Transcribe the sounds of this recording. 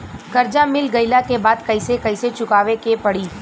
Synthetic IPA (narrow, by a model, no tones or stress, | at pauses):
kɐɾd͡ʒamɪlɡɐɪlakebaːd̪kɐɪsekɐɪset͡ʃʊkaːʋekepɐɽiː